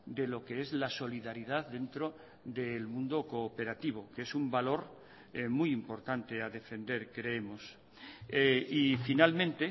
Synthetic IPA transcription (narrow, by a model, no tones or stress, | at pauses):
d̪e̞lo̞kee̞zlaso̞liðaɾiðaððẽ̞nt̪ɾo | ðe̞lmũnd̪o̞koːpe̞ɾat̪iβ̞okee̞sumbalo̞ɾ | emujimpo̞ɾt̪ant̪e̞aðe̞fe̞nd̪e̞ɾkɾe̞emos | eifinalmẽnt̪e